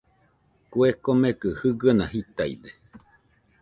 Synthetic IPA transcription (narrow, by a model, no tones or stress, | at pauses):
kwekomekɨhɨɡəna̰hit̪aḭd̪e